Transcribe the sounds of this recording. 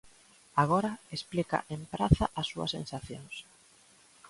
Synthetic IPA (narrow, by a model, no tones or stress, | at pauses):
aɣ̞oɾɐesplika̰ʔempɾaθɐʔɐsuɐ̰sḛ̃nsaθjoŋs